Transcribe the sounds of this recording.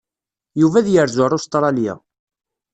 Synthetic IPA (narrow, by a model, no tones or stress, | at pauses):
juvæðjəɾzʊɾˤust̪ɾˤɑlja̰